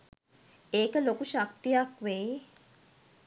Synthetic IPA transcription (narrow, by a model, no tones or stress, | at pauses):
eːkəlokuʃakt̪ijakʋe